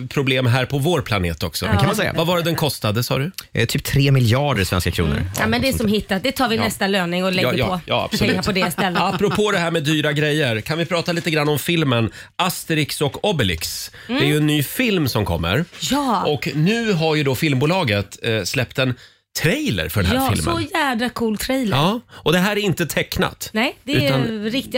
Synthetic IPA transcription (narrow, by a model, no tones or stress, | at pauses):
pʰɾʊbleːmɦæːɾpʰɔvoːɾpʰlanḛːt̪ɔksɔ̰kanmasɛːa̰vavɑːɾəd̪ɛnkʰɔst̪ad̪əsɑ̰ːd̪ɵt̪ʰyːp̚t̪ʰɾeːmɪljɑːɖəɾsvɛnska̰kʰɾṵːnə̰ɾamɛnd̪ɛɛsɔmhɪt̪ːat̪̚d̪ɛt̪ʰɑːɾvɪɛst̪aløːnɪŋɔlɛɔjɑ̰ːa̰bsɔlɛʉt̪pʰɔd̪ɛst̪ɛlːəapːɾʊpʰoːd̪ɛɦæːɾmɛd̪yːɾaɡɾɛjːəɾkʰanvɪpʰɾɑːt̪aliːt̪əɡɾanːɔmfɪlmənʔast̪əɾɪksɔkɔbɛlɪ̰ks | d̪ɛæjɵɛnːyːfɪlmsɔmkʰɔ̰mːə̰ɾjɑːɔknʉ̟ːɦaɾjɵd̪ɔfɪlmbuːlɑːɡət̪slɛpt̪ɛn | t̪ʰɾɛjlə̰ɾfœɖɛnæfɪ̰lmsɔjæːvɾakʰuːlt̪ʰɾɛjləɑːɔd̪ɛɦæːɾæɾɪnt̪ət̪ʰɛkːna̰t̪nɛjd̪ɛʉanɾɪk̚t̪ɪ